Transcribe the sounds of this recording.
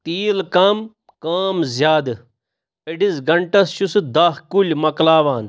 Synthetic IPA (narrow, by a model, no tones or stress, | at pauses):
t̪iːlkɐm | kaːmzʲjaːd̪ | eɖizɡɐɳʈɐsʃusɨd̪ɐɦkulʲmɐklaːʋaːn